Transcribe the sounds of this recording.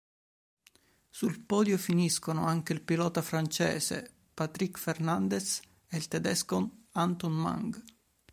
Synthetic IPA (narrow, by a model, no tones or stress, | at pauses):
sulpɔːd̪jofiniskono̰aŋkeilpilɔːt̪afɾant͡ʃɛ̰ːsḛ | pat̪ɾikfernand̪es | eilt̪ɛd̪ɛskonant̪onma̰ŋɡ